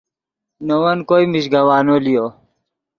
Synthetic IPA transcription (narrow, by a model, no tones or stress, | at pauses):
nowɐnkoːimiɕɡɐwaːnolijo